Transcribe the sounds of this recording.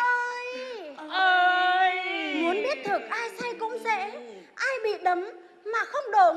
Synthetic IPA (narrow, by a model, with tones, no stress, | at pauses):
ʔəː˧jʔəː˨˧˩jmu˨˦ənɓi˦˥ət̚t̪ʰɨ˨˩k̚ʔaː˧jsa˧jkʊ̰˧˥ŋ͡msɛ̰˧˥ | ʔaː˧jɓḭ˧˨ɗə˨˦m | maː˨˩xə˧wŋ͡mɗo˧˩